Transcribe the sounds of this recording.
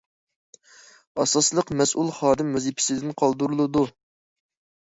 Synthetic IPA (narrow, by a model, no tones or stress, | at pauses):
ɑsɑslˠəqmɛsʔulˠχɑːd̪ɪmːɛzipʰɪ̥sɪd̪ɪnqʰɑlˠd̪uɾulˠɨd̪u